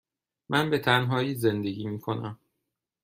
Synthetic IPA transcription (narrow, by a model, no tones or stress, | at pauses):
mʔænbe̞t̪ʰænɦɒːjiːze̞nd̪eɟiːmiːkʰo̞næ̰m